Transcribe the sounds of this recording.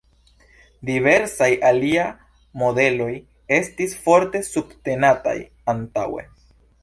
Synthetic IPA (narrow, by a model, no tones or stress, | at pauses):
dive̞ɾsajalia | mo̞de̞lo̞j | e̞stisfo̞ɾte̞subte̞nata̰j | antawe̞̰